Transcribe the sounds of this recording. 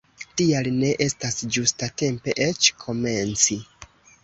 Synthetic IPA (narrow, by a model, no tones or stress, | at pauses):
tialne̞ʔe̞stasd͡ʒustate̞mpe̞ʔe̞t͡ʃkʰo̞me̞nt͡si